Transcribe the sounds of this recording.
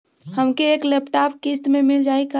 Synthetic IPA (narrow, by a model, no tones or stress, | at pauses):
həmkeeːklepʈapkist̪memɪld͡ʒaːika